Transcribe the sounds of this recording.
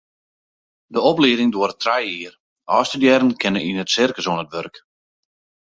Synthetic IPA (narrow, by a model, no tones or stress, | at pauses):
dəɔpliədɪŋdoərətʰrajiər | ʔɔːstədjɛɾən̩kʰɪnəinətsɪrkəsoənətʋørk